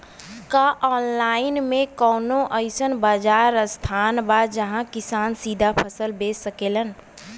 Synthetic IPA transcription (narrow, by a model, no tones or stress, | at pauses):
kaʔɔːnlaːɪnmẽkɔːnõʔəɪsənbaːd͡ʒaːɾəst̪ʰaːnbad͡ʒəɦãkɪsaːnsiːd̪ʱapʰəsəlbeːəkeːlən